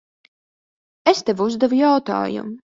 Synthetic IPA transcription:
est̪evuzd̪ɛvujawt̪a̰ːjṵm

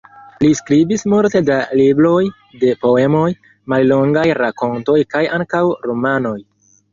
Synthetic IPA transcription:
liskɾibismulte̞dalibɾo̞j | de̞po̞e̞mo̞j | mallo̞ŋɡajɾako̞ntojkajaŋkawɾo̞mano̞j

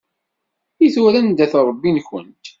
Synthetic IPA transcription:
iθuɾænd̪æθɾˤəbːinçə̰nt̪

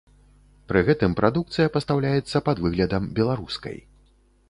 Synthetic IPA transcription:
pɾɨɣɛt̪ɨmpɾʔad̪uk̚t̪sɨjɐpɐst̪awlʲajɛt̪sːɐpad̪vɨɣlʲɐd̪ɐmbʲɛlˠaɾuskɐ̰j

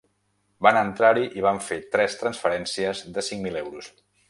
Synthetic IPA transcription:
banənt̪ɾaɾiʔiβ̞aɱfet̪ɾɛst̪ɾənsfəɾɛnsiəzðəsiŋmilɛwɾus

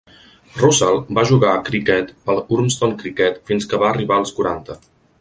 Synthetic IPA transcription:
rusalˠbaʒuɣaəkɾikɛt̪pəlˠuɾmst̪oŋkɾikɛt̪finskəβaəriβaəlˠskuɾant̪ə

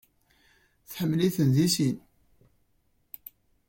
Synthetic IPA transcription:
θħəmːliθənðisin

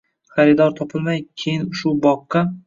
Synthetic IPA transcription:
χaɾɪd̪ɒɾt̪ʰɒpʰɪlˠmajkʲʰejɪnʊʃʊbɒqːɑ

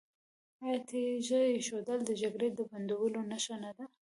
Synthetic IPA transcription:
ajt̪ʰeʒəeʃod̪əld̪əd͡ʒaɡɾed̪əband̪awəlonaʃanad̪a

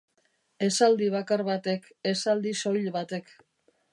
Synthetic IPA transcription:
e̞sald̪iβ̞akaɾβat̪e̞k | esald̪iso̞ʎβat̪e̞k

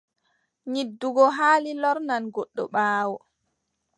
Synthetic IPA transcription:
ɲidːuɡɔɦaːlilɔɾnanɡɔɗːɔɓaːwɔ

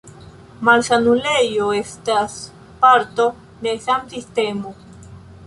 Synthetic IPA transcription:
malsanulejoest̪as | paɾt̪o | d̪elsamsist̪emo

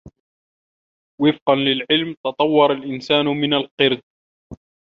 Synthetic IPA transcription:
wɪfqɑnlɪlʕɪlmt̪ɑt̪ˤɑwːɑɾˤɑlʔɪnsaːnmɪnalqɨɾd̪̚

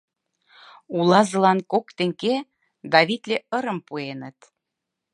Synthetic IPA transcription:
ulɑzɤ̆lɑnkokt̪ĕŋke | d̪ɑβit̪lʲeəɾə̆mpuenət̪

